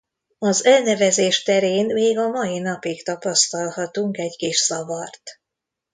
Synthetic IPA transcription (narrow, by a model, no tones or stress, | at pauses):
ɒzɛlnɛvɛzeːʃt̪ɛɾeːnmeːɡɒmɒjinɒpikt̪ɒpɒst̪ɒlhɒt̪uŋkɛɟkiʃsɒvɒrt̪